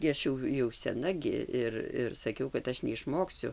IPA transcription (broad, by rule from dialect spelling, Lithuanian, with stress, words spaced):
ɡʲɪ ˈɐʃ jɛʊ jɛʊ sʲɛˈnɐ ɡʲɪ ˈɪr ɪr sɐˈkʲɛʊ kɐt ˈɐʃ nʲɛɪʃˈmoːksʲʊ